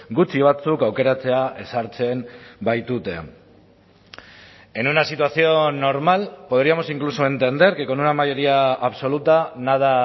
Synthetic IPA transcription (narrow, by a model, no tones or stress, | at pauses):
ɡut͡siβ̞at͡sukawke̞ɾat͡se̞ae̞saɾt͡se̞mbajt̪ut̪e̞̰ | enunasit̪uasio̞no̞ɾmalpo̞ð̞ɾiamo̞siŋklusoe̞nt̪e̞nd̪e̞ɾke̞ko̞nunamajo̞ɾiaːβso̞lut̪anað̞a